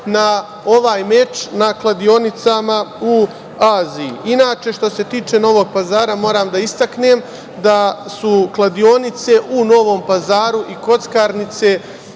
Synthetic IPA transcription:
na | o̞ʋaːjme̞t͡ʃnaklˠad̪io̞nit̪samau | aːzijiinaːt͡ʃe̞ʃt̪o̞se̞t̪iːt͡ʃe̞no̞ʋo̞ɡ̚pazaːɾamo̞ːɾaːmd̪aist̪akne̞ːm | d̪asuklˠad̪io̞nit̪se̞ʔuno̞ʋo̞ːmpazaːɾuʔiko̞t̪skaɾnit̪se̞

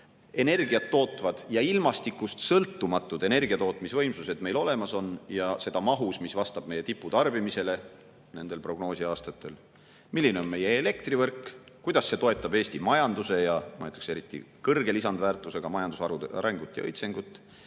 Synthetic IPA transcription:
e̞ne̞rɡiɑd̪ːo̞ːt̪ːˑvɑd̪̥jɑilmɑst̪ikːˑust̪sɤlt̪ːumɑt̪ːˑud̪e̞ne̞rɡiɑt̪o̞ːt̪ˑmisvɤjmsuse̞d̪me̞jlo̞le̞mɑso̞njɑse̞d̪ɑmɑɦusmisvɑst̪ɑb̥̚me̞jːe̞t̪ipːut̪ɑrbimise̞le̞ | ne̞nd̪e̞lpro̞ɡno̞ːsʲiɑːst̪ɑt̪ːˑe̞l | milːine̞o̞nme̞jːe̞ele̞k̚t̪rivɤrkːkujd̪̥ɑsːe̞t̪o̞e̞t̪ːˑɑbe̞ːsʲt̪imɑjɑnd̪use̞jɑmɑ̰et̪lekse̞ɾit̪ːˑḭ | kɤrɡe̞lisɑnvæːrt̪ˑːuse̞ɡ̥ɑmɑjɑnd̪usɑɾuɑ̰ɾe̞ŋɡ̥ut̪ːˑjɑ̰ɤ̰jt̪seŋɡ̥ut̪ːˑ

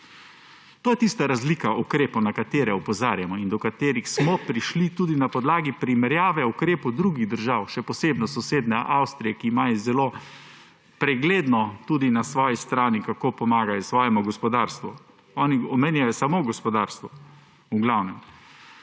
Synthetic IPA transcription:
t̪oːjɛt̪ist̪aɾazlikaʔukɾeːpɔwnakat̪eːɾɛɔpɔzaːɾjamɔind̪ɔkat̪eːɾixsmɔpɾiʃlit̪uːd̪inapɔd̪laːɡipɾimɛɾjaːʋɛukɾeːpɔwd̪ɾuːɡiɣd̪əɾʒawʃɛpɔseːbnɔsɔseːd̪nɛʔawst̪ɾijɛkiːmaːjɔzɛlo | pɾɛɡleːd̪nɔt̪uːd̪inasʋɔːjist̪ɾaːnikakoːpɔmaːɡajɔsʋɔːjɛmɔɡɔspɔd̪aːɾst̪ʋu | ɔːniɔmeːnjajɔsamoɡɔspɔd̪aːɾst̪ʋɔ | uɡlawnɛm

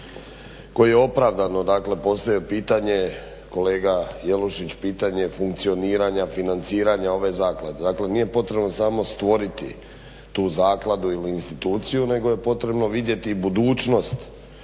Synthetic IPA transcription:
ko̞jejeo̞pɾaʋd̪anod̪aːkle̞po̞st̪ajepiːt̪aɲe̞ | ko̞le̞ːɡaje̞luʃit͡ɕpiːt̪aɲe̞fuŋk̚t̪sio̞niːɾaɲafinant̪siːɾaɲao̞ʋe̞zaːklˠad̪e̞d̪akle̞niːje̞po̞t̪ɾe̞bno̞samo̞st̪ʋo̞ɾit̪ḭ | t̪uːzaːklˠad̪uiliːnst̪it̪uːt̪sijune̞ɡo̞je̞po̞t̪ɾe̞bno̞ʋid̪je̞t̪ibud̪uːt͡ʃno̞st̪

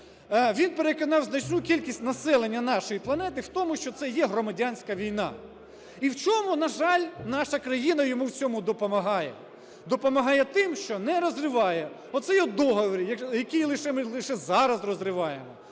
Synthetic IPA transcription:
ʋʲinpeɾekɔnɑwznɐt͡ʃnukʲilʲkʲisʲtʲnɐsɛlˠenʲːɐnɑʃɔjiplˠɐnɛt̪̬ɪwt̪ɔmʊʃt͡ʃɔt̪sɛjɛɦɾɔmɐdʲanʲsʲkɐʋʲijnɑ̰ | iwt͡ʃɔmʊnɐʒɑlʲnɑʃɐkɾɐjinɐjɔmuwt͡sʲɔmʊd̪ɔpɔmɐɦɑjɛ̰ | d̪ɔpɔmɐɦɑjɛt̪ɪmʃt͡ʃɔnɛɾɔzrɪʋɑjɛ | ɔt̪sɛjɛd̪ɔɦɔʋɔɾʲijɐjɐkʲijlˠɪʃɛmɪlˠɪʃɛzɑɾɐzrɔzrɪʋɑjemɔ

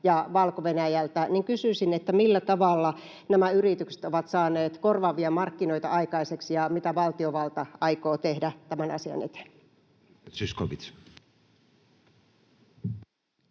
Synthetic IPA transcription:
jɑʋɑlkoʋenæjælt̪æniŋkysysinet̪ːæmilːæt̪ɑʋɑlːɑ | næmæyrit̪yksĕ̥t̪oʋɑt̪sɑːneːt̪korʋɑʋiɑmɑrkːinoit̪ɑ̰ʔɑikɑiseksjɑmit̪æʋɑlt̪ioʋɑlt̪ɑʔɑikoːt̪ehdæt̪æmænɑ̰siɑ̰net̪e̥n | siskoʋit̪s

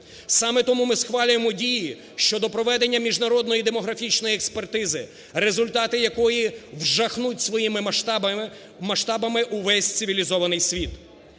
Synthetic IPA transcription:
sɑmɛt̪ɔmumɪsxʋɑlʲʊjemɔdʲiji | ʃt͡ʃɔd̪ɔpɾɔʋɛd̪enʲːɐmʲiʒnɐɾɔd̪nɔjid̪emɔɦɾɐfʲit͡ʃnɔjiɛkspert̪ɪzɪ | ɾezʊlʲt̪ɑt̪ɪjɐkɔjiwʒɐxnutʲsʋɔjimɪ | mɐʃt̪ɑbɐmɪʔuʋɛsʲsɪʋʲilʲizɔʋɐnɪjsʲʋʲit̪

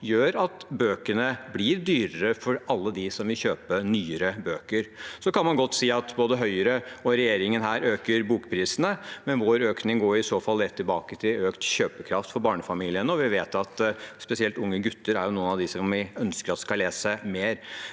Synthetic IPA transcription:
jøːɾɑt̪bøːkəɳəblɪɾɖ̪yːɾəɾəfɔɾɑlːəd̪ɪsɔmʋɪçøːpənyːəɾəbøːkəɾsɔkɑnmɑnɡɔt̪ːsiːɑt̪boːd̪əɦœʏəɾəɔɾɛjeːɾɪŋənhæːɾøːkəɾbuːkpʰɾiːsənəmɛnʋoːɾøːknɪŋɡoːjʊɪsoːfɑlɾɛt̪ʰːɪlbɑːkət̪ʰɪløːkt̪çøːpəkʰɾɑft̪fɔɾbɑːɳəfɑmiːlɪənəɔʋɪʋeːt̪ɑt̪spɛsɪɛlt̪ʊŋːəɡʉt̪ːəɾæ̰ɾjʊnuːənɑʋd̪ɪsɔmʋɪœnskəɾɑt̪skɑleːsəmeːɾ

